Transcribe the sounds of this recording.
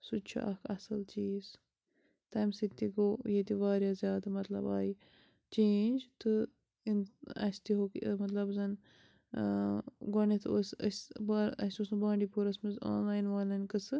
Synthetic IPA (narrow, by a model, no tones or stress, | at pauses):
sut͡ʃʰa̰ʔɐkʰɐsɨlt͡ʃiːz | t̪ɐːmsit̪ːiɡoːjet̪iʋaːɾjaːzʲjaːd̪ɐmɐt̪lɐ̰baːji | t͡ʃẽːnʲd͡ʒt̪ɨ | inɐ̰sʲt̪iɦokmɐt̪lɐbzɐn | ɡonet̪ʰɨosɐsbaɾɐ̰sʲusnbãːɳɖipuɾɐsmizo̰ːnlaːjnʋaːlɐnʲkɨsɨ